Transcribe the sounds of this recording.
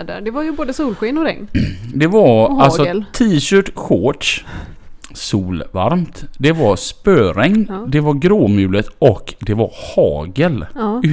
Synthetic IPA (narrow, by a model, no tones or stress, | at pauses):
d̪ə̰ɖ̪ɛvaɾjɵboːd̪əsuːlɧiːnɔɾɛ̰ŋnd̪ɛvaɾalsɔt̪ʰiːɕœːʈɧoːʈʂ | suːlva̰ɾmt̪d̪ɛvaɾspøːɾɛŋnd̪ɛvaɾɡɾoːmjʉ̟ːlət̪ɔkd̪ɛvaɾhɑːɡəl